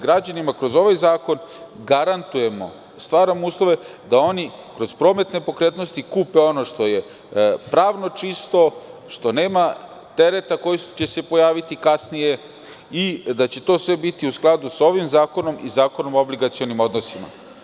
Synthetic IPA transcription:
ɡɾad͡ʑanimakɾo̞zo̞ʋajzaːko̞nɡaɾant̪uje̞mo̞̰ | st̪ʋaːɾamouːslˠo̞ʋe̞ | d̪ao̞ni | kɾo̞zpɾo̞ːme̞t̪ne̞po̞kɾe̞ːt̪nost̪ikuːpe̞o̞no̞ʃt̪o̞je̞ | pɾaːʋno̞t͡ʃist̪o̞ʃt̪o̞ne̞ːma | t̪eɾe̞t̪ako̞jist͡ɕe̞se̞po̞jaːʋit̪ikasnije̞ | id̪at͡ɕe̞t̪o̞ːsʋe̞bit̪iusklˠad̪uso̞ʋimzaːko̞no̞mizaːko̞no̞mobliɡat̪sio̞nimo̞d̪no̞sima̰

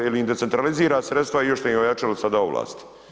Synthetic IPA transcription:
iliimd̪ese̞nt̪ɾaliziːɾaːsɾet̪st̪vaijoʃt̪ojimojat͡ʃalosad̪aːoʋla̰ːst̪i̥

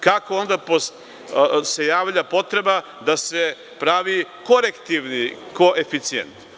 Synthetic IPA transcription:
kakoond̪apos | se̞jaːʋʎapo̞t̪ɾe̞ba | d̪ase̞ | pɾaʋikoɾekt̪iʋnikoʔefit̪sijḛnt̪

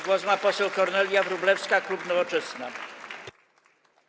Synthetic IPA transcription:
ɡwɔzmapɔsɛwkɔɾnɛlʲjavɾublɛfskaklupnɔvɔt͡ʂɛsna

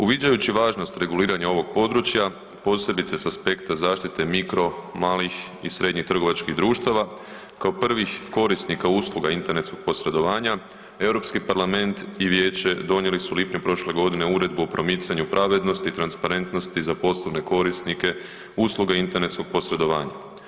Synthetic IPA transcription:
uʋid͡ʑajut͡ɕiʋaːʒno̞st̪ɾe̞ɡuliːɾaɲao̞ʋo̞ɡ̥̚po̞d̪ɾut͡ʃja | po̞ːse̞bit̪sesaspe̞kt̪azaːʃt̪it̪e̞mikɾo̞maːlixisɾʔe̞d̪ɲixt̪r̩ɡo̞ʋat͡ʃkiɦd̪ɾuːʃt̪aʋa | kaopr̩ʋixko̞ɾisnikauːslˠuɡaint̪e̞ɾnet̪sko̞ɡ̥̚po̞sɾe̞d̪o̞ʋaːɲa | e̞wɾo̞pskipaɾlame̞nt̪iʋje̞ːt͡ɕe̞d̪o̞ɲje̞lisulipɲupɾo̞ʃle̞ɡo̞d̪ine̞uɾe̞d̪buopɾo̞mit̪saɲupɾʔaʋe̞d̪no̞st̪it̪ɾanspaɾe̞nt̪no̞st̪izapo̞slˠoʋne̞ko̞ɾisnike̞ | uːslˠuɡaint̪e̞ɾne̞t̪sko̞ɡ̚po̞sɾe̞d̪o̞ʋaːɲa̰

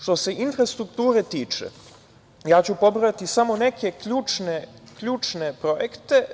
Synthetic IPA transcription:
ʂt̪o̞se̞ʔinfɾast̪ɾukt̪uːɾet̪iːt͡ʃḛ | jaːt͡ɕupo̞bɾojat̪isamo̞ne̞ke̞kʎuːt͡ʃnekʎuːt͡ʃne̞pɾojekt̪e̞

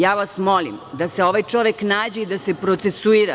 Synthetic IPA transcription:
jaːʋasmo̞lḭmd̪ase̞o̞ʋajt͡ʃo̞ʋeknaːd͡ʑeid̪ase̞pɾo̞t̪sesuiɾa̰

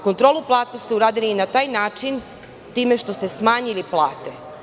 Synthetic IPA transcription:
ko̞nt̪ɾo̞ːluplˠaːt̪nost̪iuɾaːd̪ilinat̪aːjnaːt͡ʃin | t̪iːme̞ʃt̪o̞st̪e̞smaːɲiliplˠa̰ːt̪e

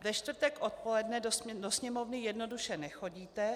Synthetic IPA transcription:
vɛʃt̪vr̩t̪ɛkʔot̪̚polɛdnɛdosdosɲɛmovnɪjɛdno̞duʃɛnɛxo̞ɟiːt̪ɛ

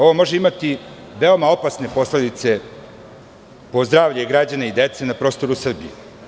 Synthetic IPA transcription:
o̞ʋo̞mo̞ʒeimat̪i | ʋeo̞mao̞pasne̞po̞sle̞d̪it̪se̞ | po̞zd̪ɾaːʋʎeɡɾad͡ʑaneid̪e̞t̪se̞napɾo̞ːst̪o̞ɾusr̩biju

